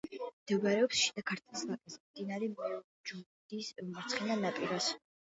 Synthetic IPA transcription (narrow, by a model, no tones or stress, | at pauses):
md̪̥ɛvaɾɛɔpsʃid̪akʰaɾt̪ʰɛlˠslˠakʼɛzɛmd̪inaɾimʼ | d͡ʒud̪̥ismɔɾt̪sʰχinanat̪ʼiɾas